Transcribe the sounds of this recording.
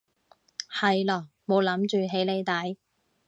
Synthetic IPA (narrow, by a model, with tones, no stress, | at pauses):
hɐ˨jlɔː˨˩ | mo˨˧wlɐ˨˥mt͡ʃyː˨˧ɦe˨˥jle˨˧jt̪ɐ˨˥j